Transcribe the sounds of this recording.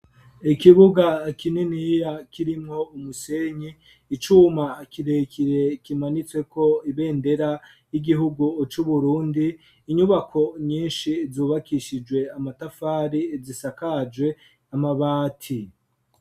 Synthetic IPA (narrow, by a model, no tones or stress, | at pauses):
ikiβuɡakininijakʰiɾimŋo̞umuseɲiː | t͡ʃuːmaːkiɾe̞kʰiɾe̞kimanit͡swe̞kʰo̞iβe̞ːnde̞ɾa | jiɡiɦuɡut͡ʃuβuɾuːndiː | ɲuβakʰo̞ɲiːnʃizuːβakiʃid͡ʒwe̞amatafaːɾizisakad͡ʒwe̞ | amaβaːtʰi